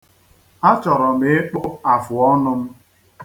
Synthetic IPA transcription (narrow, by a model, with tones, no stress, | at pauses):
a˦t͡ʃɔ˨ɾɔ˨m̩e˦k͡po˦a˨fʊ˨ɔ˦nʊ˦m̩˦